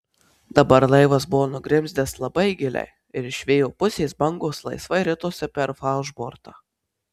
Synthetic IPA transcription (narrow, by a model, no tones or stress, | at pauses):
d̪ɐbɐɾlˠɐɪʋɐs̬bʊʋoːnʊɡɾʲɪmʲzʲd̪ʲeslˠɐbɐɪɡʲɪlʲɛ̰ɪ | ɪɾɪʃʲʋʲeːjoːpʊsʲeːjsbɐŋɡoːslˠɐ̰ɪsʋɐɪɾʲɪt̪oːsʲɛpʲɛɾfɑˑʊʒboːɾt̪ɑː